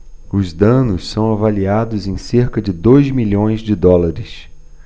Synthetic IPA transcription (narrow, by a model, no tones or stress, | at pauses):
ʊzd̪ɐ̃nʊssɐ̃w̃avaliad̪ʊzẽj̃seɾkɐd͡ʒɪd̪ojzmiʎõj̃zd͡ʒɪd̪ɔlaɾɪs